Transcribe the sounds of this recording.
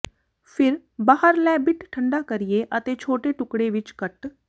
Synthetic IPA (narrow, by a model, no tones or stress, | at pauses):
pʰɪɾ | baːɦəɾlɛːbɪʈʰʈʰəɳɖaːkəɾɪjeːʔət̪eːt͡ʃʰoːʈeːʈʊkɽeːʋɪt͡ʃkəʈ